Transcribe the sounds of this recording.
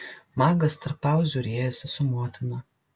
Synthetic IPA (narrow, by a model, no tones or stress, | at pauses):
mɑːɡɐst̪ɐɾpːɑˑʊzʲʊɾʲiɛjɛsʲɛsʊmoɔt̪ʲɪnɐ